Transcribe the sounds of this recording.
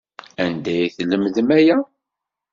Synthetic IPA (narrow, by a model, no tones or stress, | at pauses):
ænd̪æjθləmðəmæjæ